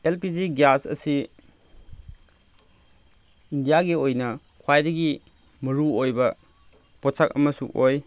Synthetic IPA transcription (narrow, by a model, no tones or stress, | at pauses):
elpiziɡjasɐ̰si | indijaɡiojnɐ | kʰwajdɐɡi | mɐɾuojbɐ | pɔsʰak̚ɐ̰mɐsṵʔoj